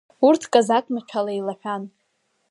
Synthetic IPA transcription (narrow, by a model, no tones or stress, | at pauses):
urtʰkʼazakʼmat͡ʃʷʰalajlaħᶣan